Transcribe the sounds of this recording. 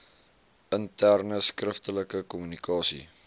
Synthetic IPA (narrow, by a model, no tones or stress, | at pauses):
əntærnəskrəftələkəkɔmynikʰɑːsḭ